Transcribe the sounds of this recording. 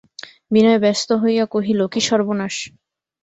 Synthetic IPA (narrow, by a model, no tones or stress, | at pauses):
binɔebɛst̪oɦojakoɦilokiʃɔɾbonaʃ